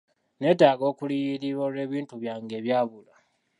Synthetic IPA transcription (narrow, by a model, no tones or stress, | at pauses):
ne̞taːɡo̞ːkulijiɾiβoɾe̞ːβiːntuβjaːŋɡe̞ːβjaːβula